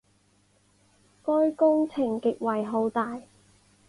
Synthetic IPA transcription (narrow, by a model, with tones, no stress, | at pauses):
kɔː˥jkʊ˥ŋt͡sʰɪ˨˩ŋkɪ˨k̚wɐ˨jɦo˨˥wt̪aː˨j